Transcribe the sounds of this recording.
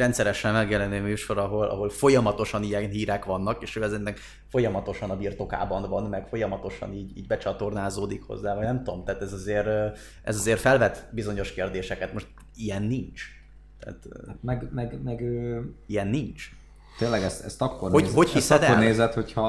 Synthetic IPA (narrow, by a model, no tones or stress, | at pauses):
ɾɛnt̪sɛɾɛʃɛnmɛɡjɛlɛnøːmyːʃo̞ɾɒɦo̞lʔɒ̰ɦo̞lfo̞jɒmɒt̪o̞ʃɒnijɛnɦiːɾɛkʋɒnːɒkeːʃøːɛzenːɛk | fo̞jɒmɒt̪o̞ʃɒnɒbiːrt̪o̞ka̰ːbɒnvɒnmɛɡfo̞jɒmɒt̪o̞ʃɒ̰niːɟḭːɟbɛt͡ʃɒt̪o̞rnaːzoːd̪ikho̞̰zːaːvɒɟnɛmt̪oomt̪ɛːt̪ɛzɒzeːɾ | ʔɛ̰zɒzeːrfɛlvɛt̪bizo̞ɲo̞ʃkeːrd̪eːʃɛkɛt̪mo̞ʃt̪ | ijɛnːint͡ʃ | t̪ɛ̰ːt̪ːamɛɡmɛɡmɛɡøːijɛnːint͡ʃ | t̪eːnlɛɡɛst̪ɛ̰st̪ɒkːornhohochisɛd̪orneːzɛt̪hochɒ